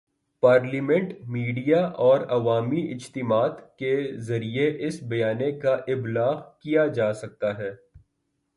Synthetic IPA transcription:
paːɾlimɛ̃ɳʈmiːɖijaʔɔːɾɐʋaːmiɪt͡ʃt̪ɪmaːt̪kezɐɾieʔɪsbɐjaːnekaʔɪblaːɣkijad͡ʒaːsɐk̚t̪aɦɛː

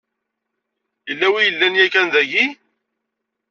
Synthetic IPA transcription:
jəlːæwijəlːænjækænðæʝi

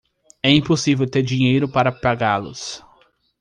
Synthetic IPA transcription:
ɛĩposivewt̪eɾd͡ʒĩɲejɾʊpaɾɐpaɡalʊ̰s

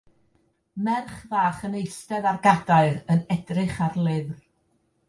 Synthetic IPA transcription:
mɛrχvaːχənejstɛðarɡadaɨɾənɛdrɪχarlˠɪðr

